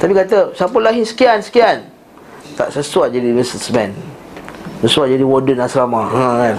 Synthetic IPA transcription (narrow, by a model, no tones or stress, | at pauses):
t̪apikat̪əsapəlaɦisə̥kiansə̥kian | t̪a̰ʔsəswad͡ʒadiməsəsmɛ̃n | səsuad͡ʒadiwɔdənasɾamãkan